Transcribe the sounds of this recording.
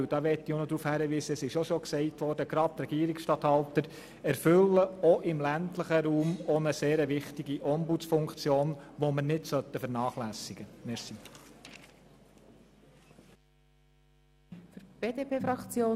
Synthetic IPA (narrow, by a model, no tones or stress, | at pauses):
wd̥ɑʋɛtːionɔd̪ɾuːfhæɾəʋiːsəɛsɪʃoʃɔksɛɪtʋɔɾdəɡ̥ɾɑt̚t̪ɾɛɡ̥iəɾiksʃtɑːt̪hɑlt̪əɾ | ɛɾfɵlːəɔʔɪmlæntləχəɾuːmɔnəseːɾəʋɪχtiɡiʔɔmbut͡sfʊŋkt͡sjoːnʋɔmənɪtsœt̪ːəfəɾnɑːχlæsiɡ̥əmɛɾsi | fəɾb̥eːdepʰeːfɾɑkt͡sjoː